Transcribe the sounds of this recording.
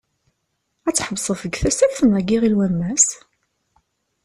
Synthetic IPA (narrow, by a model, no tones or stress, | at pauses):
æt͡sːħəbsˤəfəɡθæsæθənæɡiʁilwæmːæs